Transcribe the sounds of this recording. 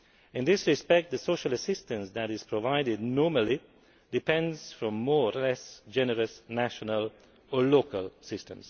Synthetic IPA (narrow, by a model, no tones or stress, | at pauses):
ɪ̃nðɪsɹɪspɛk̚t̪̚ðɨsoʊʃələsɪstə̃nsðæɾɪz̥pʰɹɔvaɪɾɪdnɔɹməli | d̥ɪpʰɛ̃ndz̥fɹɔ̃mːɔːlɛsd͡ʒɛnəɹəsnæʃənəl | əlokəlˠsɪstə̃ms